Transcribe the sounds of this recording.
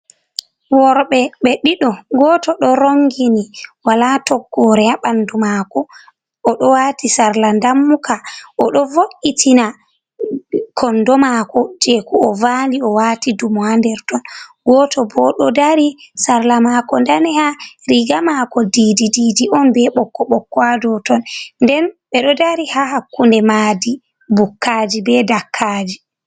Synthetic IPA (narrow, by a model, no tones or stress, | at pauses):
wɔɾɓɛɓɛɗiɗɔɡɔtɔɗɔɾoŋɡiniwalatɔɡːɔɾɛaɓandumakɔ | ɔɗɔwatisaɾlandamːukaʔɔɗɔvoʔitʰina | kʰɔndɔmakɔd͡ʒɛkuɔvaːliɔwatidumuhandɛɾtɔnɡɔtɔbɔɗɔdaɾisaɾlamakɔndanɛhaɾiɡamakɔdididiːdiʔɔnbɛɓɔkːɔɓɔkːɔadɔtɔnndɛnɓɛɗɔdaɾihahakːundɛmaːdi | bukːad͡ʒibɛdakʰːad͡ʒi